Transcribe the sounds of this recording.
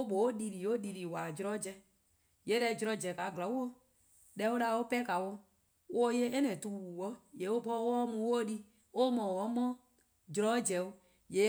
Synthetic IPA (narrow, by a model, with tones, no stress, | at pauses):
o˦ɓo˨o˦di˨ɾi˨˦o˦di˨ɾi˨wa˨d͡ʒɾɔ˦d͡ʒɛ˦ | je˨˦ɾɛ˧˨d͡ʒɾɔ˧d͡ʒɛ˨ka˨ɡla˨˦wu˦o˦ | dɛ˦wo˦la˧˦o˦pɛ˦ka˨wo˧˦ | wo˦je˦e˦nɛ̃˨tu˧˨˦wu˨wɔ˦je˨˦o˦pɔ˦wo˦ɔ˦mũ˧˦wo˦di˦ | o˦mɔ̃˨wɔ˦mɔ̃˦ | d͡ʒɾɔ˦d͡ʒɛ˨o˦ | je˨˦